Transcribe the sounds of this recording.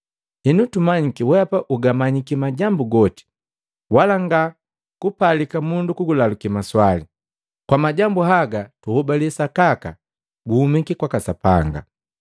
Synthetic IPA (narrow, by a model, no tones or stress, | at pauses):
hɛnutumaɲikiwɛapaʔuɡamaɲikimaɟambuɡɔti̥ | walaŋɡa | kupalikamundukuɡulalukimaswali | kwamaɟambuɦaɡatuhɔbaliɛsakaka̰ | ɡuhumikikwakasapa̰ŋɡa̰